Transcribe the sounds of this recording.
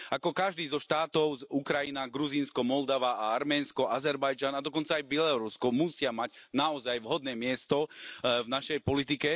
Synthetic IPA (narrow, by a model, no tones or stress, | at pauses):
akɔkaʒd̪iːzɔʃt̪aːt̪ɔʊzukɾajinaɡɾuziːnskɔmɔld̪aʋaʔaaɾmɛːnskɔʔazɛɾbajd͡ʒanad̪ɔkɔnt͡saːjbjɛlɔɾuskɔmusɪamaɟnaɔzajʋɦɔd̪̚nɛːmɪɛst̪ɔvnaʃɛjpɔlit̪̬ikɛ